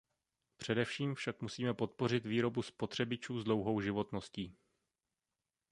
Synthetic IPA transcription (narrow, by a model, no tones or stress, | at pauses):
pr̝̥ɛdɛfʃiːmfʃakmusiːmɛpo̞t̪̚po̞r̝ɪt̪viːɾo̞buspo̞t̪r̝̥ɛbɪt͡ʃuːzdlo̞wɦo̞wʒɪvo̞t̪nosciː